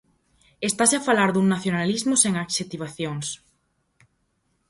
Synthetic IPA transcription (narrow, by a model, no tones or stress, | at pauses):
est̪aseafalaɾðuŋnaθjonalizmʊseŋakʃet̪iβaθjoŋs